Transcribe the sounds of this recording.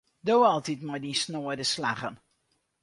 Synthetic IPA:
doːɑlˠtitmɔjdinsnoədəsla̰χən

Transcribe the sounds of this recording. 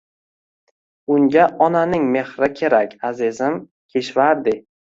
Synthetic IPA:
ʊŋɡʲaʔɒnanɪŋme̞hɾɪkʲʰe̞ɾakʲʰazɪzɪm | kʲʰe̞ʃvaɾd̪ɪ

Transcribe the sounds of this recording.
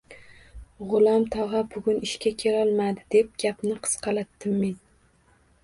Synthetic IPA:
ʁʊlˠamt̪ʰɒʁɑbʊɡʲʊnɪʃkʲʰakʲʰe̞lɒlˠmad̪ɪd̪e̞p̚ɡʲapnɪqʰɨ̥sqʰɑlat̪ːɪmːen

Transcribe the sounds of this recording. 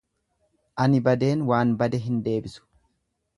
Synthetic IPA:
ʔɐnɪbɐd̪e̞ːnwaːnbɐd̪ɛɦɪnd̪e̞ːbɪsʊ̥

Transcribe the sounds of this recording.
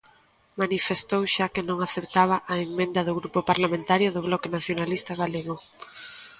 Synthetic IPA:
manifest̪owʃakɪnõŋaθept̪aβ̞ɐʔaeŋmẽnd̪ɐðʊɣɾupopaɾlamẽnt̪aɾjʊðʊβlɔkenaθjonalist̪aɣaleɣʊ

